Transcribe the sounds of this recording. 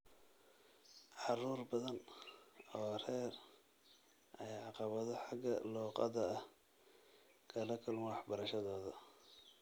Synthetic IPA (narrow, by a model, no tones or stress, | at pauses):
ʕɑruːrbɐðɐn | ɔːrɛːr | ʔɐjʕɑqɑβɐðɔħɑɡɐ̰lɔːqɑ̰ðɐːh | kʰɐlɐkʰɐlmwɑħbɐɾɐʃɐðɔːðɐ